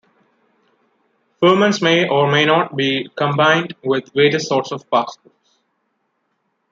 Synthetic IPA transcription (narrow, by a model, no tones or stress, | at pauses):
fəːmə̃nsmeːʔɔːɾmeːnɔːʈ̚biːkə̃mbãɪ̃nɖʋɪd̪ʋeːʈəsːɔːɾʈsɔʋpaːskəs